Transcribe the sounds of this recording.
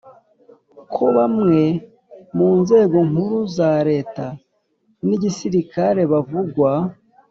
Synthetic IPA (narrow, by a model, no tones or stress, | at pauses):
kʰo̞βamŋe̞ | muːnze̞ːɡo̞ŋuɾuzaɾe̞ːta | niɟisiɾikaɾe̞βavuɡwa